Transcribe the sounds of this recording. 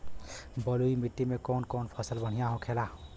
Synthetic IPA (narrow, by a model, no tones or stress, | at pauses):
bʌlujmiʈːimekɔnkɔnpʰʌsəlbəɽ̤ijãɦõkʰela